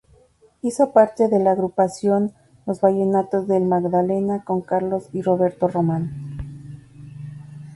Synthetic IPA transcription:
iso̞paɾt̪e̞ðe̞laːɣɾupasjo̞n | lo̞zβaʝenat̪ozðe̞lmaɣðale̞nako̞ŋkaɾlo̞siro̞βe̞ɾt̪o̞ro̞man

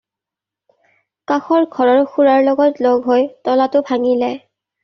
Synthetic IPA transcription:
kaxɔɹɡʱɔɹɔɹxuɹaɹlɔɡɔtloɡɦojtɔlatʊbʱaŋilɛ

